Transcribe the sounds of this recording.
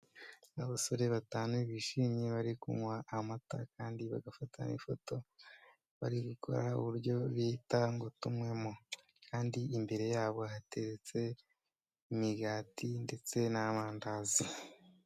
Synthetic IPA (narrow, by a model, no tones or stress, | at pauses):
aβaso̞ɾe̞βataːnuiβiʃimɲeβaɾikuŋwaʔːmata̰kaːndiβa̰ɡafatʰa̰nḭfo̞to̞ | βa̰ɾiɡukʰo̞̰ɾaṵβuɾjo̞βiːtaŋɡotumŋe̞mo | kʰaːndiimbe̞ɾe̞jaːβo̞ɦate̞ɾet͡se̞ | imiɡaːtinde̞t͡se̞naβaːndazi